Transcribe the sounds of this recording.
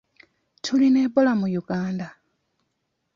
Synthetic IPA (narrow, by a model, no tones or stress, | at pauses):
tʰulinebolamujuɡaːnda